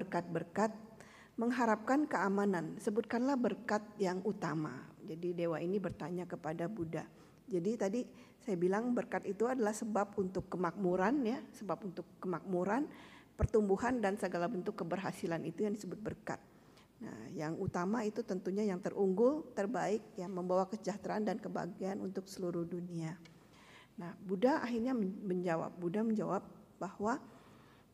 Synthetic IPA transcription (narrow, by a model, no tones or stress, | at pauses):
bərkat̪̚bərkat̪̚ | məŋɦaɾap̚kankəamanansəbʊt̪̚kanlahbərkat̪̚jaŋut̪ama̰d͡ʒadidewainibərt̪aɲakəpadabuda | d͡ʒadit̪adi | sajabilaŋbərkat̪it̪uadalahsəbap̚unt̪ʊkːəmak̚muɾanjasəbap̚unt̪ʊkːəmak̚muɾanpərt̪umbuhandansəɡalabənt̪ʊkːəbərɦasilanit̪ujaŋdisəbʊt̪̚bərka̰t̪̚ | na̰hjaŋut̪amait̪ut̪ənt̪uɲajaŋt̪ərʔuŋɡʊlt̪ərbaɪk̚jaməmbawakəsəd͡ʒaht̪ɾaandankəba̰ɡianṵnt̪ʊksəluɾʊhdunia | nahbudaa̰ɦirɲaməɲd͡ʒawa̰p̚budaməɲd͡ʒawap̚bahwa